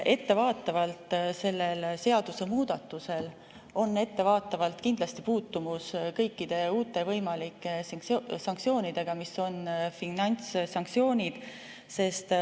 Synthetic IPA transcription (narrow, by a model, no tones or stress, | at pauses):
e̞t̪ːe̞vɑːt̪ːˑɑvɑlt̪se̞lːe̞lse̞ɑd̪̥use̞muːd̪̥ɑt̪ːˑuse̞l | o̞nːe̞t̪ːe̞vɑːt̪ːˑɑvɑlt̪kind̪lɑst̪ipuːt̪ːumuskɤ̞jkːid̪̥e̞uːt̪ːˑe̞vɤjmɑlikːˑesɑŋkt̪sio̞ːnid̪̥e̞ɡ̥ɑmiso̞nfinɑnʲt̪ssɑŋk̚t̪sio̞ːnʲid̪̥ | se̞st̪